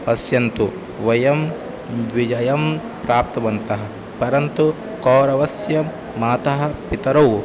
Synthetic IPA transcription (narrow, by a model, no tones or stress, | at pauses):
pɐsjɐnt̪u | ʋɐjɐm | ʋid͡ʒɐjɐm | pɾaːp̚t̪ɐʋɐnt̪ɐɦɐ | pɐɾɐnt̪u | koːɾɐʋɐsjɐ | maːt̪ɐɦɐ̆pit̪ɐɾɐw